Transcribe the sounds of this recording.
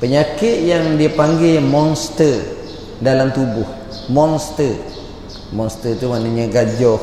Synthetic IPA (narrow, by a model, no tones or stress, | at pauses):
pəɲakɪt̪̚jaŋdiəpaŋɡɪmɔŋst̪ə | dalamt̪ubʊh | mɔŋst̪ə | mɔŋst̪ət̪umaʔnəɲə̃ɡad͡ʒɔ